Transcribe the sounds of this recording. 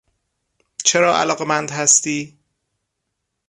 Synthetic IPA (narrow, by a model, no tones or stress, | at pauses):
t͡ʃʰeɾɒːʔæ̰lɒːɣe̞mænd̪hæst̪iː